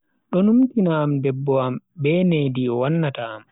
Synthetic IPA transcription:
ɗɔnumkinaːmdɛbːɔam | bɛnediɔwanːataːm

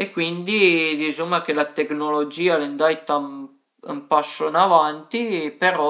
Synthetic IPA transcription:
ekwind̪id̪isomːak̟elat̪eknolod͡ʒiːalend̪ajt̪a | umpasːonavant̪ipeɾɔ

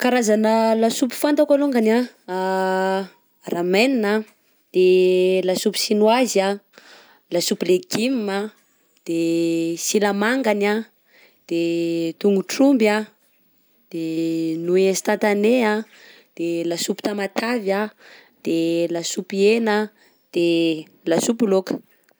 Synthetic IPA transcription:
kaɾazanəlasupu̥fant̪akaluŋɡana | ramenina | d̪̥elasupi̥sinwaza | lasupileɡimma | d̪̥esilamaŋɡana | d̪̥et̪uŋɡuʈ͡ʂumba | d̪̥enuest̪at̪anea | d̪̥elasupi̥t̪amat̪avja | d̪̥elasupiena | d̪̥e | lasupulokə̥

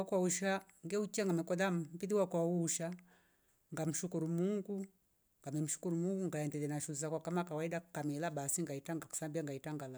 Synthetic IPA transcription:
akwauʃaŋɡɛut͡ʃiaŋɡamɛkɔðammpiðiwakwauʃa | ŋɡam̩ʃukuɾumuŋɡu | ŋɡamɛm̩ʃu̥kuɾumuŋɡuŋɡaɛndɛlɛnaʃuz̬akwakamakawaidakamɛlaɓasiŋɡaitaŋɡaku̥sambiaŋɡaitaŋɡala

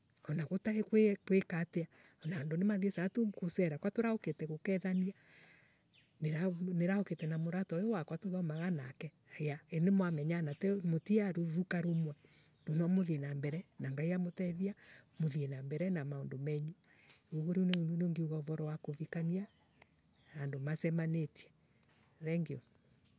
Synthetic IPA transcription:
ɔnaɣotaekwekwekatea | ɔnaːndonemaðiesatokosɛɾakwatoɾaoketɛɣokɛðania | neɾaneɾahoketɛnamoɾatɔjowakwatoðɔmaɣanakɛ | ajaenemwamɛɲanatɛmotiaɾuɾukaɾomwa | donɔmoðienambɛɾɛnaŋɡaijamotɛðiamoðienambɛɾɛnamaondomɛɲu | oɣoɾiunneŋɡeuɣɔvɔɾɔwakoβikania | andomasɛmanetiɛ̥ | ɾɛŋɡeɔ

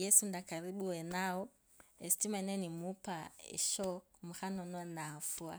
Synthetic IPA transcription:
jɛsundakaɾiɓuwɛnaɔ | ɛstimanɛnimupaɛ̰ʃɔkmuxanɔnɔɛnafua̰

